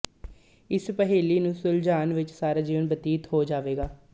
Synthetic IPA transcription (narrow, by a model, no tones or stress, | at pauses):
ɪspəɦeːliːnũːsʊld͡ʒaːnʋɪt͡ʃsaːɾaːd͡ʒiːʋənbət̪iːt̪ɦoːd͡ʒaːʋeːɡaː